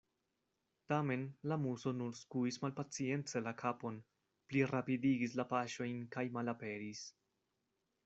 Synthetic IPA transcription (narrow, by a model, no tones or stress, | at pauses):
tame̞nlamuso̞nuɾskuismalpat͡sie̞nt͡se̞lakʰapo̞n | pliɾapidiɡislapaʃo̞jnkajmalape̞ɾis